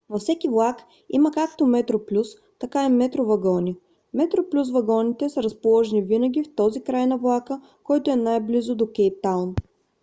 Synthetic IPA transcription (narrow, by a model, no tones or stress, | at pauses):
vɐfsɛkʲivlˠak | iməkakt̪omɛt̪ɾoplʲus | t̪ɐkaimɛt̪ɾovɐɡɔnʲi | mɛt̪ɾoplʲus̬vɐɡɔnit̪ɛsəɾəspolˠɔʒɛnivinəɡ̟ʲift̪ɔzikɾajnɐvlˠakə | kɔjt̪oɛnajblizod̪okɛjt̪ːawn